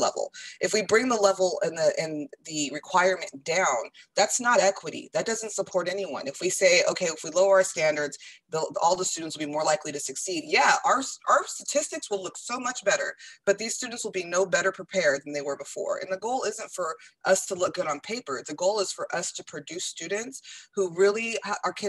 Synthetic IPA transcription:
lɛ̰vl̩ˠʔɨfwibɹɪ̃ŋðəlɛvl̩ˠɪ̃nðɨʔɨ̃nðɨɹɨkʰw̥aɪə˞mɨ̃nd̥ãʊ̃nðætsnəɾɛkʰwəɾḭðɨt̚d̥ʌzn̩tsəpʰɔɹɾɛniwʌ̰̃nɨfwiseɪoʊkʰeɪəfwiloʊaʊə˞stæ̃ndə˞dz̥ðɪlˠɔlˠðəstʉdⁿn̩tswl̩ˠbimɔɹlaɪkliɾɨsɨksid̚jæə˞saʊə˞stɨtʰɪstɨkswəlˠlʊksoʊmʌt͡ʃb̥ɛɾə̰˞b̥ʌt̪̚ðiz̥stʉdⁿn̩tswəl̩ˠbinoʊbɛɾə˞pʰɹ̥ipʰɛɹd̪̚ð̃n̩ðeɪwə˞bəfɔ̰ɹɨ̰̃nðəɡoʊlˠɪzɨ̃ntfə˞ʔʌstʰəlʊk̚ɡ̥ʊɾn̩pʰeɪpə˞ðɨɡoʊlˠəz̥fə˞ʔʌstʰɨpʰɹ̥ɨdʉstʉdⁿn̩tshuɹɪlˠiʔkʰɪ

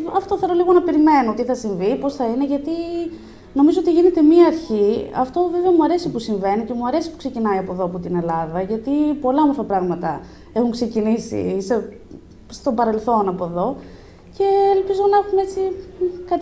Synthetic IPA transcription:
ɐft̪o̞θe̞ɾo̞liɣo̞nɐpe̞ɾime̞not̪iθɐsiɱvipo̞sθɐine̞ʝɐt̪i | no̞mizo̞ot̪iʝine̞t̪e̞miɐːɾçiɐ̰ft̪o̞ve̞veɐmuɐɾe̞sipusiɱve̞nice̞muɐɾe̞si̥pukse̞cinɐiɐpo̞ðo̞ɐpot̪ine̞lɐðɐʝɐt̪ipo̞lɐomoɾfɐpɾɐɣmɐt̪ɐ | e̞xuŋkse̞cinisḭse | st̪o̞bɐɾe̞lθo̞nɐpoðo̞ | ce̞ːlpizo̞nɐxumee̞t͡sikɐt̪

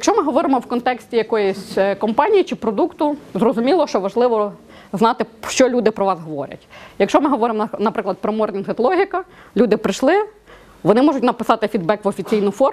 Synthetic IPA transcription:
jjɐkʃɔmɪɦɔʋɔɾɪmɔwkɔnt̪ɛksʲtʲijɐkɔjʊsʲkɔmpɑnʲijit͡ʃɪpɾɔd̪ukt̪ʊzrɔzʊmʲilˠɔʃt͡ʃɔʋɐʒlˠɪʋɔ | znɑt̪ɪʃt͡ʃɔlʲud̪ɪpɾɔʋɑzɦɔʋɔ̰ɾʲɐ̰tʲjɐkʃɔmɪɦɔʋɔɾɪmnɐpɾɪklˠɐd̪̚pɾɔmɔrnʲinɦɪt̪lˠɔɦʲikɐ | lʲud̪ɪpɾɪʃlˠɪ | ʋɔnɪmɔʒʊtʲnɐpɪsɑt̪ɪfʲid̪bɛkʋɔfʲit͡sʲijnʊfɔ

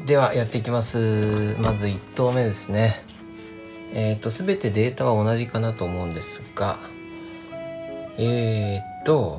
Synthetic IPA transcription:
d̪e̞βajʔat̪ːe̞ikʲimasɨmazɨit̪ːo̞ːme̞d̪e̞sɨne̞ | eːt̪ːo̞sɨbe̞t̪e̞d̪e̞ːt̪aβao̞naʑikanat̪o̞ːmo̞ɯ̟̃nd̪e̞sɨ̥ɡ̥a | eːt̪ːo̞

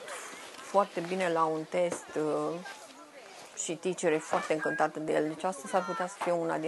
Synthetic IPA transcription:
foart̪e̞bine̞launt̪e̞st̪ | ʃit̪it͡ʃeɾefoart̪e̞ɨŋkɨnt̪at̪əd̪ejeld̪e̞t͡ʃast̪əzʲsarput̪easə̥fijeuna̰d̪i

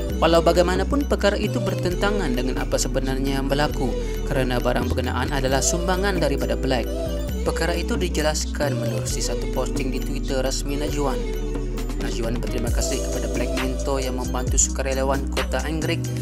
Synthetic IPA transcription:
walawbaɡajmanapʊnpərkaɾaʔit̪ubərt̪ənt̪aŋandəŋanʔapasəbənarɲajaŋbərlaku | kəɾanabaɾaŋbəɡəna̰ʔanadalahsumbaŋandaɾipadapəlajk̚ | pəkaɾait̪udid͡ʒəlaskanmənuɾusisat̪upɔst̪ɪŋdit̪wit̪ərəsminad͡ʒuanː | ad͡ʒuanbərt̪ɾimakasɪhkə̥padablajk̚mint̪ojaŋməmbant̪usu̥kaɾelewankot̪aʔɛŋɡɾɪk̚

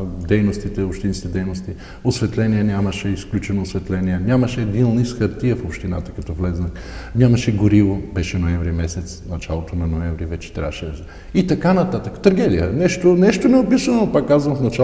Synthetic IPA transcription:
d̪ɛjnost̪it̪ɛopʃt̪inskʲit̪ɛd̪ɛjnost̪i | osvɛt̪lɛniɛnʲamɐʃɛisklʲut͡ʃɛnoːsvɛt̪lɛniɛnʲamɐʃɛːd̪inˠnisxɐɾt̪iəfopʃt̪ina̰t̪ə̥kɐt̪ɔvlɛznəx | ɲʲamɐʃɛɡoɾivobɛʃɛnoɛmvɾimɛsɛt̪snɐt͡ʃalˠot̪onɐnoɛ̃ɱvɾivɛt͡ʃɛ̥t̪ɾʲa̰vəʃɛd̪z | it̪ɐkanɐt̪at̪əkə̥t̪ɐɾɡɛd̪ijənɛʃt̪onɛʃt̪onɛopisənonopakːazvəmfnɐt͡ʃa

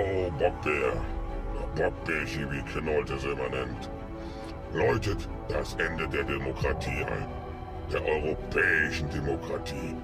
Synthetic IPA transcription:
oːbɔk̚b̥eɐ | bɔk̚b̥ɛʃivikʰɪnɔltəsɛmanɛnt | lɔʏtət | d̥asʔɛndədeːɐdemokʁ̥atʰiːʔa̰ɪn | d̥eːɐʔɔʏʁ̞opʰɛːɪʃn̩demokʁ̥atʰiː

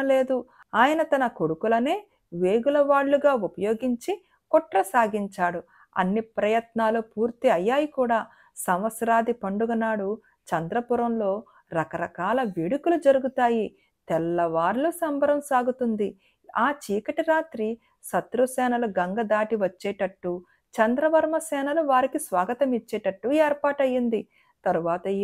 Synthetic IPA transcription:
le̞ːd̪u | aːjɐnɐt̪ɐnɐko̞ɽukulɐne̞ː | ʋeːɡulɐʋaːɽːuɡaːupɐjo̞ːɡiɲt͡ʃi | kɔʈɾɐsaːɡiɲt͡ʃaːɽu | ɐ̰nːipɾɐjɐt̪naːlupuːɾt̪iɐjːaːjikuːɽaː | sɐmʋɐsɾaːd̪ipɐɳɖuɡɐnaːɽu | t͡ʃɐnd̪ɾɐpuɾɐmlo̞ː | ɾɐkɐɾɐkaːlɐʋeɽukulud͡ʒɐɾuɡut̪aːji | t̪ɛlːɐʋaːɾlusɐmbʱɐɾɐmsaːɡut̪und̪i | aːt͡ʃiːkɐʈiɾaːt̪ɾi | sɐt̪ɾusɛːnɐluɡɐŋɡɐd̪aːʈiʋɐt͡ʃːɛːʈɐʈːuː | t͡ʃɐnd̪ɾɐʋɐɾmɐsɛːnɐluʋaːɾikisʋaːɡɐt̪ɐmit͡ʃːɛːʈɐʈːueːɾpaːʈɐjːind̪i | t̪ɐɾuʋaːt̪ɐi

